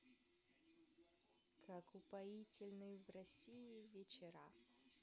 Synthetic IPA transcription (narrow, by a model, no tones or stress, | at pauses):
kʰakʊpajit͡sʲɪlʲnɨjvrɐsʲijivʲet͡ɕɛɾa